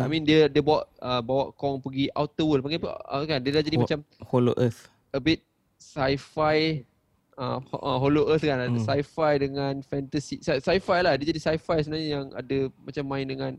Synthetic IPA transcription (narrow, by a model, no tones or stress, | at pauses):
amĩndiədiəbuaʔəbawaʔkɔŋpəɡia̰wt̪əwəlpaŋɡapəə̰kandiədad͡ʒadimmat͡ʃamholo̰ʔəs | əbit̪̚ | sajfaj | ə̰ʔəɦoloʔəskansajfajdəŋãnfɛnt̪asisasajfajlahdiəd͡ʒadisajfajsəbənaɲəjaŋa̰dəmat͡ʃamːãɪ̃ndəŋãn